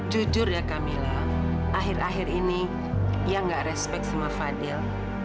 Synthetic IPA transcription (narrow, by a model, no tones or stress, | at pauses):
d͡ʒud͡ʒʊrjakamila | ʔaɦɪraɦɪrini | jaŋɡaʔrɛspɛk̚t̪samafadɛl